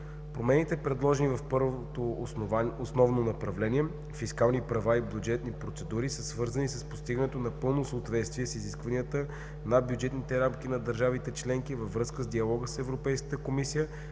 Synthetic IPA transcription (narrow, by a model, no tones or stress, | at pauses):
pɾomɛnit̪ɛpɾɛd̪lˠɔʒɛnivɐfpɤɾvot̪o | osnɔvnonɐpɾɐvlɛniɛ | fiskalˠnipɾɐvaibʲjud͡ʒɛt̪nipɾot̪sɛd̪uɾisəsvɤɾzənisəspo̥st̪iɡənɛt̪onɐpɤlˠnosəoːt̪vɛt̪st̪viɛsiziskvɐniət̪ə | nɐbjud͡ʒɛt̪nit̪ɛɾamk̟inɐd̪əɾʒavit̪ɛt͡ʃlɛŋkivəvɾɤskəzd̪iɐlˠɔɡəsɛvɾopɛjskə̥t̪əkomisijə